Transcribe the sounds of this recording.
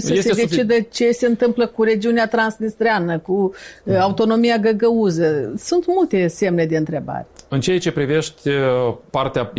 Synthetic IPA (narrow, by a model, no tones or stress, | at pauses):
səsed̪e̞t͡ʃid̪ət͡ʃe̞se̞ɨnt̪ɨmpləkuɾe̞d͡ʒiuneat̪ɾansnist̪ɾeanəkuaut̪o̞no̞mijaɡəɡəuzəsunt̪mult̪e̞se̞mne̞d̪e̞ɨnt̪ɾe̞ba̰ɾeɨnt͡ʃeat͡ʃe̞pɾive̞ʃt̪ʲepart̪ea